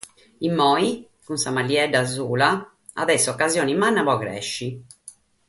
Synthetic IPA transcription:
imːɔːi | kunsamalːiɛɖazuːla | a̰ðɛsːɔkːazjoːnimanːaβɔɣɾɛ̰ʃːi

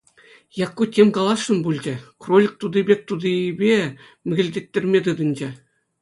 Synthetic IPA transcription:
jɑkːutʲemʲkɑlˠɑsːɤ̆nbulʲd͡ʑɘ̆krolʲik̚t̪ud̪ĭbʲek̚ʲt̪ud̪ibʲe | mʲɘ̆ɡʲɘ̆lʲdʲet̪ʲːĕrʲmʲet̪ɯd̪ɤ̆nd͡ʑe

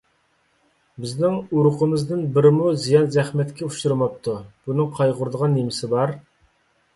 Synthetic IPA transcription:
bɪznɪŋuɾʊqʰəmɨzd̪ɨnbɪɾɪmuzijɑnzɛχmɛt̪kʲʰɛuʃuɾɨmɑp̚t̪ʰub̥unɨŋqʰɑjʁʊɾd̪əʁɑnːemɪsɪbɑɾ

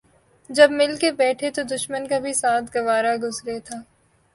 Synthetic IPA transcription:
d͡ʒɐbmɪlkebɛːʈʰet̪od̪ʊʃmənkabʱisaːt̪ʰɡɐʋaːɾaɡʱʊzɾet̪ʰaː

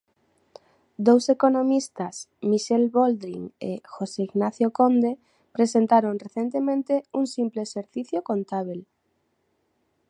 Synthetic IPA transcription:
d̪owsekonõmist̪asmiʃelβold̪ɾiŋḛxoseiɣnaθjokond̪e | pɾesent̪aɾõŋreθent̪emẽnt̪euŋsimpleːseɾθiθjokont̪aβ̞el

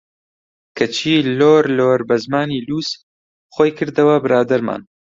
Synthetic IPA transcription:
kʰɐt͡ʃʰiːloːɾloːɾbɐzmaːniːluːs | χoːjkʰɨɾd̪ɐwɐbɨɾaːd̪ɐɾma̰ːn

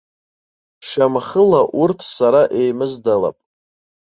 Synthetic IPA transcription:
ʃamχəlaʔurtʰsaɾaʔe̞jmɨzdala̰pʼ

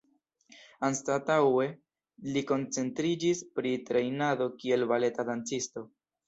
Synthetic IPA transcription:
anstatawe̞ | liko̞nt͡se̞ntɾid͡ʒispɾitɾe̞jnado̞kie̞lvale̞tadant͡sisto̞

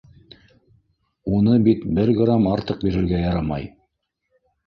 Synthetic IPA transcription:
unɤbit̪bɘɾɡramɑɾt̪ɤq̚biɾɘ̆ɾɡæjɑɾɑmɑ̰j

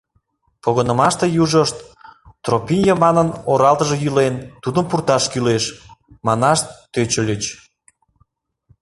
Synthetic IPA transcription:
poɣənəmɑʃt̪ejuʒəʃt̪t̪ropʲinʲjɑmɑnənoɾɑlt̪əʒejylent̪ud̪əmpurt̪ɑʃkyleʃmɑnɑʃt̪ːøt͡ɕəlʲət͡ɕ

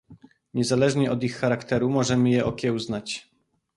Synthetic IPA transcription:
ɲɛzalɛʐɲɛʔɔd̪ixːaɾakt̪ɛɾumɔʐɛmɘjɛʔɔkʲɛwznat͡ɕ

